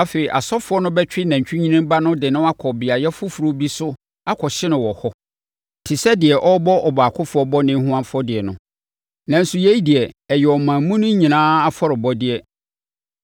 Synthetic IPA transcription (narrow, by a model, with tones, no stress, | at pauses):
a˦fe˨i˨ʔa̰˨sɔ˦fʊ˨˦ɔ˦nʊ̃˦bɛ˦t͡ɕᶣɪ˦nã˨ɲ˨t͡ɕᶣi˦ɲĩ˦nĩ˦mba˦nʊ̃˦dɪ˨nʊ̃˦a˦kʰɔ˨bɪ˨a˨jɛ˦fʊ˦fu˨ɾo˦bi˦sʊ˦ | a˦kʰɔ˨ɕɪ˦nʊ̃˨wɔ˨hɔ˦ | tʰɪ˨sɛ˦dɪ˨ɛ˨ʔɔ˦bɔ˦ʔɔ˨baː˨kʰʊ˦fʊ˨˦ɔ˦bɔ˦nɪ̃˦hũ˦ã˦nfʊ˦ɔ˦dɪ˨ɛ˨nʊ̰̃˨ | nã˨n̩˦su˨jɛ˦i˦di˨ɛ˨ɛ˨jɛ˨ɔ˨mãː˨˦mũ˦nʊ̃˦ɲĩ˨nãː˦a˦fɔ˦ɾɪ˨bɔ˦dɪ˨ɛ˨